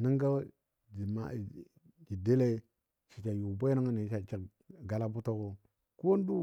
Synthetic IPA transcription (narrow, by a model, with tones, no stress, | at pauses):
nə˦ŋɡa˦ | d͡ʒi˨ma̰˨ | d͡ʒi˨de˦le˦ | t͡ʃi˨t͡ʃa˨ju˨be˦na˦ŋa˦ni˨˦ʃa˨t͡ʃi˨k | ɡa˨la˦bu˦to˦ɡo˦ | ku˦wo˦n˦du˦